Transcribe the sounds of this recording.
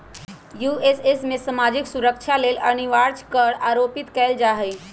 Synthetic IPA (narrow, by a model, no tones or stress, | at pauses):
juːesesmẽsəmaːd͡ʒɪksuɾəkt͡ʃʰaleːlɐniʋaːɾt͡ʃkəɾaːɾoːpɪt̪kɛːld͡ʒaːɦəj